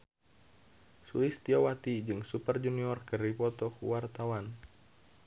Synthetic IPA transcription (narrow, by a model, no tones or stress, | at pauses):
sṵist̪iɔwat̪id͡ʒɨŋsupərd͡ʒuniɔrkɨripɔt̪ɔkuwart̪awan